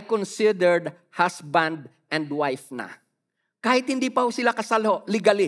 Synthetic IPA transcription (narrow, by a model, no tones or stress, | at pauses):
kɔnsɪd̪ɛɹd̪̚ | hasbãnd̪̚ | ʔɛ̃nd̪wajfnɐ̰ | kaːhɪt̪̚hɪnd̪iːpɐhosɪlakɐsalho̞ʔlɪɡalɪ